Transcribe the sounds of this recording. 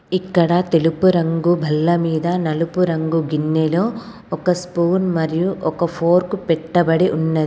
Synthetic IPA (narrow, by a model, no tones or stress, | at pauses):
ikːɐɽɐt̪elupuɾɐŋɡubʱɐlːɐmiːd̪ɐnɐlupuɾɐŋɡuɡinːeloː | ɔkɐspuːnmɐɾijuʔɔkɐpʰoːɾkupɛʈːɐbɐɽeʔunːɐd̪i